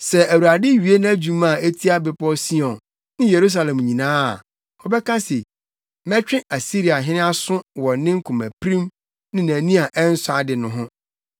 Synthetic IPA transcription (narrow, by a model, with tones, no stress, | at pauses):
sɛ˨ʔæ˨wu˨ɾa˨dɪ˦ɥi˨e˦nã˦d͡ʑũ˦mã˨e˦tʰi˦a˦bɪ˨pɔ˦si˦ɔ̃˨n | nɪ̃˦je˨ɾu˦s̬a˨lɛ̃˨mɲĩ˨nãː˦a̰˨ | hɔ˨bɛ˦kʰã˦se˨ | mɛ̃˦t͡ɕᶣɪ̃˦ʔa˨si˦ɾi˨a˨ɦɪ̃˦nɪ̃˦a˦sʊ̃˦wɔ̃˨nɪ̃˦ŋ̩˦kʰʊ̃˨mæ˨pʰɾĩ˦m | nɪ̃˦næ̃˨nĩ˦a˨ʔɛ˦n̩˦sʊ˦a˨dɪ˨nʊ̃˨ɦʊ̃˦